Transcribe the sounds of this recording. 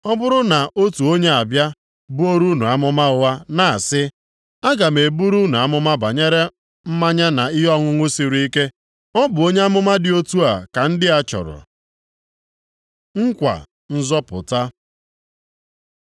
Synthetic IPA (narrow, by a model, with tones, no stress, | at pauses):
ɔ˦bʊ˦ɾʊ˦na˨ʔo˦tu˨o˦ɲe˦a˨bja˦ | bʊ˦o˦ɾu˦nu˨a˦mʊ˦ma˦ʊ˦wa˦na˨a˨sɪ˦ | a˦ɡa˨me˨bu˦ɾu˦nu˨a˦mʊ˦ma˦ba˨ɲe˦ɾe˦ | m̩˦ma˦ɲa˦na˨ɪ˦ɦɔ˦ŋʊ˦ŋʷʊ˦si˨ɾu˨˦i˦ke˦ | ɔ˦bʊ˨o˦ɲe˦a˦mʊ˦ma˦dɪ˦o˦tu˦a˨ka˨n̩˦dɪ˦a˦t͡ʃɔ̰˨ɾʊ̰˨ | ŋ̩˦kʷa̰˨ | n̩˦zɔ˦pʊ̰˨ta˦